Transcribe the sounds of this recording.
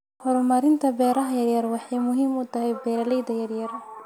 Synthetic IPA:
hɔɾʊmɐɾɪnt̪ʰɐbɛːɾɐɦɐjɐrjɐrwɑħɑjmʊɦiːmʊt̪ʰɐɦɛjbɛːɾɐlɛjd̪ɐjɐrjɐr

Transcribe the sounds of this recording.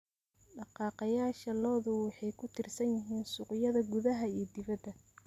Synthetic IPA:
ɖɑqɑːqɑjaːʃɐlɔːðʊwɑħɑjkʰʊt̪ʰɪrsɐnjɪɦiːnsʊqʊjɐðɐɡʊðɐɦɐijɞd̪ɪβɐd̪ɐ

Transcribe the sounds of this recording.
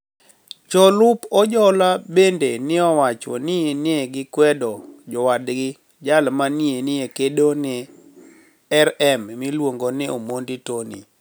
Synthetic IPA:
t͡ʃɔlʊpɔd͡ʒɔlabendenɪɔwat͡ʃɔ̰nɪenɪeɡɪkwɛdɔd͡ʒɔwadɡɪ | d͡ʒalmanɪenɪekedonɪ | ɛɾɛmmɪlwoŋɡonɪomonditonḭ

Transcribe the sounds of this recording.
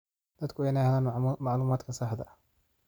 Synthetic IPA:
d̪̥ɐd̪kʰʊɛjnahlaːnmɑʕluːmaːd̪kʰɐsɐħd̪ɐ

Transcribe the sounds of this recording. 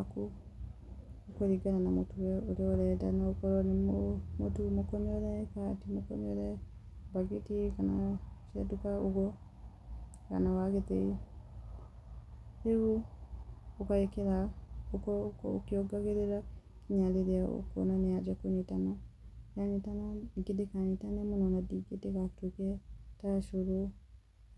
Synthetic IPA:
aku | koɾiɡananamotuwɛoɾeɔɾɛdanaokɔɾɔnomotumokɔmiɔɾɛkatimokɔmiɔɾɛ | baɣitikanat͡ʃiadukaoɣɔ | ka̰nawaɣetei | eβu | okaekeɾaokɔkokiɔɡaɣeɾeɾa | kiɲaleɾeao̰ko̰nanead͡ʒakoɲitanajaɲitanaiɡedekaɲitanemonɔnadiɡeteɣatwekɛtaʃoɾo

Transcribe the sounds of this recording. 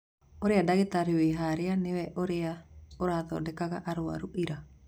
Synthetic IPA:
oɾeadaɣetaɾiweɦaɾeanewɛʔoɾeaoɾaðɔ̰dekaɣaʔaɾoa̰ɾuʔiɾa

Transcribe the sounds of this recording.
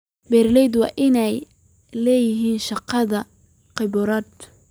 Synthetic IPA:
bɛːɾlɛjd̪wɑːʔɪnɛj | lɛːjɪɦiːnʃɑqɑðɐ | qɪbʊɾɐːd̪

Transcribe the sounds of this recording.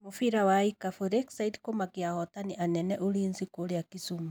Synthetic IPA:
mofiɾawaikafoɾɛksaitkomakjahɔtaniʔanɛnɛʔoɾiːnzikoɾeakisuma

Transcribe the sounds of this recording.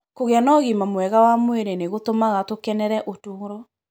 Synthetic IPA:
koɣeanɔɣimamwɛɣawamweɾeneɣotomaɣatokɛnɛɾɛʔotoɾɔ

